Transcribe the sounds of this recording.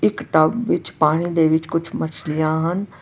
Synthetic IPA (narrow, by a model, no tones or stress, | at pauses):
ɪkʈɐbːɪt͡ʃpaːɽ̃id̪eʋɪt͡ʃkʊt͡ʃʰmɐt͡ʃʰlɪjãɦɐn